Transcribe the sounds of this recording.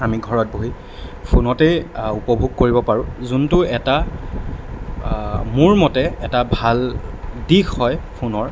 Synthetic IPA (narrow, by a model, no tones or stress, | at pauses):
amiɡʱɔɹɔt̚boɦi | pʰunɔtɛupɔbʱuɡ̚koɹibɔpaɹʊ̃zuntʊɛta | muɹmɔtɛɛtabʱaldikːɔjpʰunɔɹ